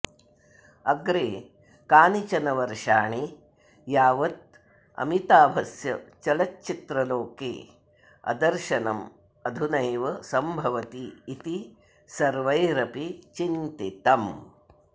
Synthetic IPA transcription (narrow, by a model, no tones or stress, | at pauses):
ɐɡɾeː | kaːnit͡ʃɐnɐʋɐɾʃaːɳi | jaːʋɐt̪̚ | ɐ̰mit̪aːbʱɐsjɐt͡ʃɐlɐtːt͡ʃit̪ɾɐloːkḛː | ɐ̰d̪ɐɾʃɐnɐm | ɐd̪ʱunɐjʋɐsɐmbʱɐʋɐt̪iːt̪i | sɐɾʋɐjɾɐpit͡ʃint̪it̪ɐm